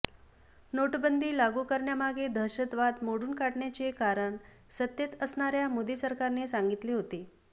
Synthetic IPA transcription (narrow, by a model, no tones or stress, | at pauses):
noʈbənd̪ʱiːlaɡukəɾɳjamaɡed̪ʱəɾɕət̪ʋad̪moɽuːnkaʈɳjat͡ɕekaɾəɳ | sət̪jet̪əsɳaɾjamod̪iːsəɾkaɾnesaŋɡit̪liːɦot̪i